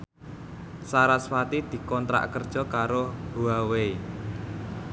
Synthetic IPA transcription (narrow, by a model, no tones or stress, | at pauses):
saɾaswat̪id̪̥i̤kɔnt̪ɾa̰ʔkərd̥ʒ̥ɔ̤kaɾob̥ṳawei